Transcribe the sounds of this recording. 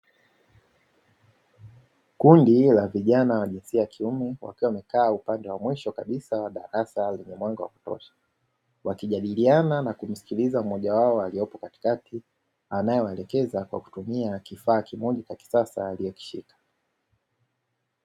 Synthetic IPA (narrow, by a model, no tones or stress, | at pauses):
kundilaviʄanawaʄinsiajakʰiumɛwa̰kiwamɛkaːupandɛwamwiʃɔkaɓisawaɗaɾasalɛɲɛmwaŋɡawa̰ku̥tɔ̰ʃḁ | wakiʄaɗiliananakum̩si̥kilizam̩mɔʄawaɔaliɔpɔkati̥kati | anajɔwɛlɛkɛzakwa̰ku̥tumiakifaːkimɔʄikaki̥sasa̰alijɔki̥ʃḭkḁ